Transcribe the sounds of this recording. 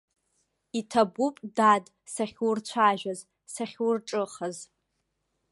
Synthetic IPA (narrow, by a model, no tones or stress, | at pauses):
itʰabupʼdadʼ | saχʲwurt͡ɕʷʰaʒᶣaz | saχʲwurʈ͡ʂʼɨχaz